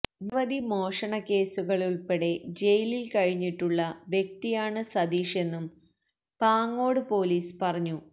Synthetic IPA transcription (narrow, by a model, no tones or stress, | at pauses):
niʋɐd̪imo̞ːʂɐɳɐke̞ːsuɣɐɭuɭpe̞ɽe̞d͡ʑe̞jlilkɐɻiɲːiʈːuɭːɐʋjek̚t̪ijaːɳɨsɐd̪iːʂe̞nːum | paːŋːo̞ːɽɨpo̞ːliːspɐrɐɲːu